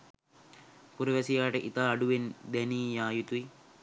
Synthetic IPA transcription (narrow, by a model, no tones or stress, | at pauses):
puɾɐʋɛsijaːʈəʔit̪aːɖuʋend̪ɛniːjaːjut̪ui